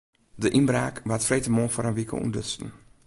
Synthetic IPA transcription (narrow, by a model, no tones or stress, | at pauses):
dəʔinbraːkʋatfrejtəmoːfoːɾənʋikə̰ṵndøtstn̩